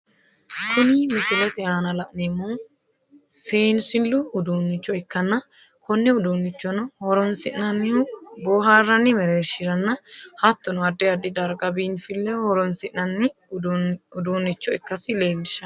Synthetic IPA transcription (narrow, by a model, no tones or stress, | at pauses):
kʰʊnimɪsɪlɛt̪ɛaːnɐlɐʔnemːɔ | seːnsɪlːʊʊd̪uːnːɪt͡ʃːɔɪkːɐnːɐ | kʰɔnːɛʊd̪oːnːɪt͡ʃːɔnɐhɔɾɔnsɪʔnɐnːɪboːɦaːrːɐnːɪmɛɾeːɾʃɪɾɐnːɐhɐt̪ːɔnɔɐd̪ːɛɐd̪ːɪd̪ɐɾɡɐbiːnfɪlːɛhɔɾɔnsɪʔnɐnːɪ | ʊd̪oːnːɪt͡ʃːɔɪkːɐsɪleːlːɪʃɐ